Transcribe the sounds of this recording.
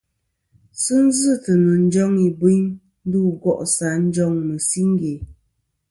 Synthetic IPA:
sɨ˦n̩˦zɨ˦˨tə˨nə˨n̩˦d͡ʒɔ˦ŋi˨bwi˦ɲ | n̩˦du˦˨ɡɔ˦ʔsa˨˦n̩˦d͡ʒɔ˦ŋmə˨si˦ŋ˦ɡe˨

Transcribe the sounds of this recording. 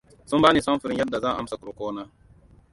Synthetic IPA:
su˦mbaː˦ni˨sa˦m˦fu˨ɾi˦nja˦dːa˨za˦˨a̰˦˨msa˨ku˨ɾu˨koː˦na˦

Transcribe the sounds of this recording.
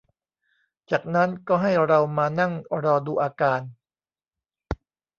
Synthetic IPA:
t͡ɕaː˨˩k̚na˦˥nkɔː˥˩ɦa˥˩jɾa˧wmaː˧na˥˩ŋɾɔː˧duː˧ʔaː˧kaː˧n

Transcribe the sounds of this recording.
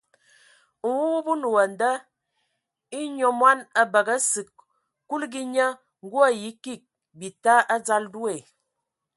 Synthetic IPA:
wu˦wu˦bu˦nu˨wə˨n˨də˦ | i˦ɲo˨mwa˦nə˦bə˨ɡə˦sɨ˨k | ku˦lɡi˦ɲə˦ | ŋ̩˦ɡu˦ə˦ji˨˦ki˦˨k̚ | bi˨ta˦ʔa˦d͡za˦ldu˦e˨

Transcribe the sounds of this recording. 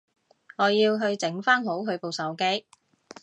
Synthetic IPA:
ŋɔː˨˧jiː˧wɦɵ˧ɥt͡sɪ˨˥ŋfaː˥nɦo˨˥wɦɵ˨˧ɥpo˨wsɐ˨˥wke˥j

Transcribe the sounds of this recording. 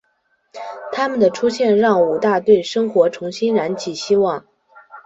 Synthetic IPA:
t̪ʰa˥mə˨nd̪ə˩ʈ͡ʂʰu˥ɕjɛ˥˧nɻɑ˥˩ŋu˨˩t̪a˥˧t̪we˥˩ɪʂɤ˥ŋxwɔ˧˥ʈ͡ʂʰʊ˧˥ŋɕi˥nɻa˧˥nt͡ɕʰi˨˩ɕi˥wɑ˥˩ŋ

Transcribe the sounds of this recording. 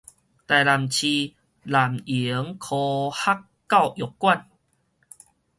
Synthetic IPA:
t̪a˨˩jla˨˩mt͡ɕʰi˧ | la˨˩mi˨˦ə˦ŋkʰo˧ha˦˥kːa˥˧˨wjo˨˩kkːwa˥˨n

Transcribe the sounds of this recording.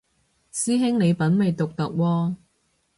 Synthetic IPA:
siː˥ɦɪ˥ŋne˨˧jpɐ˨˥nmɐ˨jt̪ʊ˨k̚t̪ɐ˨k̚wɔː˧

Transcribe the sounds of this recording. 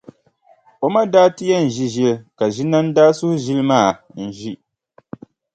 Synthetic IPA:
o˦ma˦daː˦ti˦jɛ˦n̩˨ʒi˦ʒi˦lka˨ʒi˦na˦n˦daː˦sʊ˦hʊ˦ʒi˦lɨ˦maː˦˨ | n̩˨ʒi˦

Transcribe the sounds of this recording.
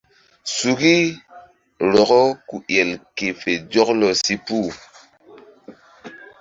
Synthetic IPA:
su˨ɡi˦ | ɾɔ˨kɔ˦ku˨jɛ˨lke˨fe˨d͡ʒɔ˦klɔ˨si˦pu˦˨

